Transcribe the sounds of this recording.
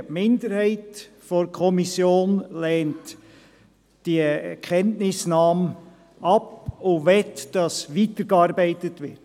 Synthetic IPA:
mɪndəɾhæɪt | fɔɾkʰɔmisjoːnlɛːnt | d̥iɛkʰɛntnɪsnɑːm | ʔɑpovɛtd̥ɑsʋiːtəɾɡ̥eɑɾbæɪtətʋɪt

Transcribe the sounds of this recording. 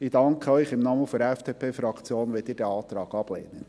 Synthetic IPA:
ɪd̥ɑŋkʰəœʏχɪmnɑːməfɔɾɛfd̥eːpʰeːfɾɑkt͡sjoːnʋelt̪iːɾd̥ɛɑːt̪ɾɑːɡ̥ɑb̥lḛːnən

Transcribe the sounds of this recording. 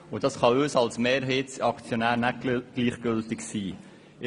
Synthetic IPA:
ʊd̥ɑsχɑøːsɑlsmeːɾɦeːtsɑkt͡sjonæːɾnæɡ̥liːχɡ̥ʏltɪksiː

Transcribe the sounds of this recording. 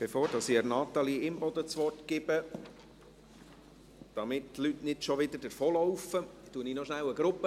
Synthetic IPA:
b̥efoːɾd̥ɑsiɛɾnɑt̪ɑliɪmbɔd̪ət͡sʋɔrtkɪbə | d̥ɑmɪttlytnɪtʃɔʋɪd̪ədəɾfoːlɔwfətuəninɔʃnæwəɡɾʊpːə

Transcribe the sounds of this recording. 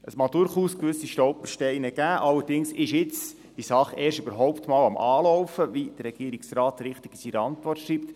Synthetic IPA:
əsmɑdʊɾχuːskʋʏsːiʃtɔʊpəʃtɛɪnəɡ̥æːʔɑlːəɾdɪŋsɪʃjɪt͡s | d̥isɑχeːɾʃøbəɾɦɔʊptmɑːlɑmʔɑːlɔwfəvid̥əɾɛɡ̥iəɾɪksrɑːt̪ɾɪχtɪɡisiɾəɑntʋɔrtʃriːpt̪

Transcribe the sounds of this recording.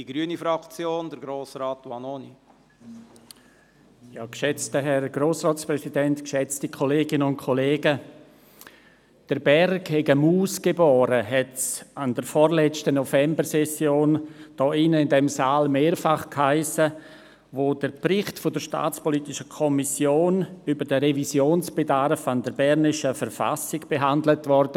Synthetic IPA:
d̥iɡ̥ɾyənifɾɑkt͡sjoːndəɾɡɾoːsɾaːtːwɑnoni | jɑːkʃɛt͡stəɦɛrɡ̥roːsrɔːtsprɛsidɛntkʃɛt͡stikʰɔleːɡɪnəʊnt̚kʰɔleːɡə | d̥əɾbɛrkhɛɡəmuːsɡ̥ebɔːɾəɦɛtsandəɾfɔɾlɛt͡stənɔfɛmbəɾsɛsjoːnd̥ɔːɪnəɪndɛmsaːlmeːɾfaχkhaɪsə | ʋoːd̥əɾprɪχtfʊdəɾʃta̰ːt͡spɔliːtɪʃəkʰɔmisjoːnybədəɾevisjoːnsb̥edaɾfandəɾbɛɾnɪʃəfəɾfa̰sɪɡb̥eɦandlətvɔɾd̥ə

